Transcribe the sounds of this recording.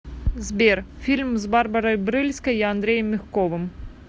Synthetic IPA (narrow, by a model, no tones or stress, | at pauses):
zʲbʲɛrfʲilʲmzbarbɐɾɐjbɾɨlʲskɐjiand̪ɾʲɛjɐmːʲixkɔvɨm